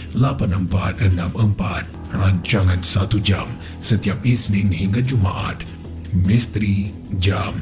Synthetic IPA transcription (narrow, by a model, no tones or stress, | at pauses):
lapanəmpa̰t̪̚ənãməmpat̪̚ | raɲt͡ʃaŋãnsat̪ud͡ʒam | sət̪iap̚isnĩŋhiŋɡad͡ʒumaʔa̰t̪̚ | mist̪ɾi | d͡ʒam